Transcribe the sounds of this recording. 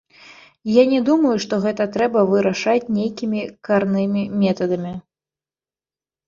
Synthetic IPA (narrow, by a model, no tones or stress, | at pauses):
janʲɛd̪umɐjuʂt̪ɔɣɛt̪ɐt̪ɾɛbɐvɨɾɐʂat͡sʲnʲejkʲimʲikarnɨmʲimʲɛt̪ɐd̪ɐmʲi